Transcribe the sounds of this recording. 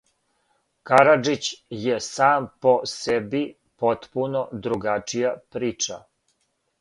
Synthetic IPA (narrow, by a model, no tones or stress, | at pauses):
kaɾad͡ʒit͡ɕjesaːmpo̞sebi | pot̪punod̪ɾuɡat͡ʂijapɾiːt͡ʃa